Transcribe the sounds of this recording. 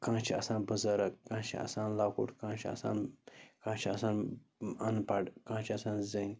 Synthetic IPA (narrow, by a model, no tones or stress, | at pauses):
kãːt͡ʃʰiɐsãːnbəzɐɾɐkkãːt͡ʃʰiɐ̰saːnlakṵʈkãːt͡ʃʰiɐ̰sa̰ːnkãːt͡ʃʰiɐsaːnɐnpaɖkãːt͡ʃʰiɐsaːnzən